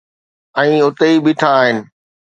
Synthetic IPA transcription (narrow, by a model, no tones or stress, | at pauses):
ɛ̃ːʊt̪eibɪːʈʰaːɦɪnɪ̆